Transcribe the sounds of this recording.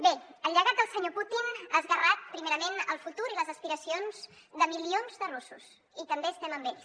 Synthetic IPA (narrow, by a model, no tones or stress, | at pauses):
beəlːəɣat̪̚d̪əlˠsəɲoput̪inəzɣərat̪̚pɾimeɾəmenəlˠfut̪uɾiləzəspiɾəsionz | ðəmilionzðərusus | it̪əmbeəst̪ɛməmbeʎs